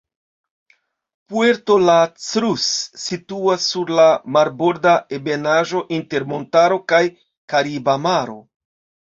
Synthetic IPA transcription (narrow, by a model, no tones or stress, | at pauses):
pueɾto̞lat͡sɾusːituasːuɾlamaɾboɾdaebe̞naʒo̞ʔinte̞ɾmo̞ntaɾo̞kaj | kaɾibamaɾo̞